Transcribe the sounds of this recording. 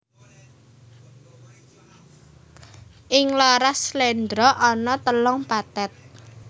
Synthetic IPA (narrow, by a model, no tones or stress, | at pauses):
ʔɪŋlɔɾaslend̪ɾɔʔɔnɔt̪əlɔŋpat̪ɛt̪̚